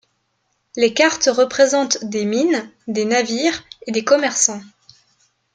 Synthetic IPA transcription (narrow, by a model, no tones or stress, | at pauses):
lekaʁt̪ʁəpχezɑ̃t̪d̪emind̪enaviːʁed̪ekɔmɛʁsɑ̃